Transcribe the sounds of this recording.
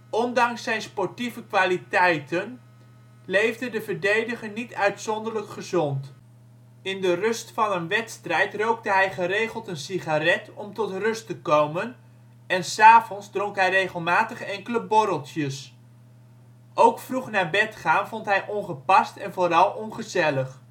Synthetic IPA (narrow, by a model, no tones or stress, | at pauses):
ɔndɑŋsːɛjnspɔɹtivəkʋaːlitɛjtən | lejvdədəvəɹdejdəχənitœɥtsɔndəɹləkχəzɔnt | ɪndərɵstfɑnənʋɛtstrɛjtrowk̚dəɦɛjχərejχəlˠtənsiχarɛtɔmtɔtrɵstəkowmən | ɛnsaːvɔnzdrɔŋkɦɛjrejχəlˠmaːtəχɛŋkələbɔɾəlˠtjəs | ʔowkfruχnaːɹbɛtχaːnvɔntɦɛjʔɔnχəpɑstɛnvoːrɑlˠɔnχəzɛləχ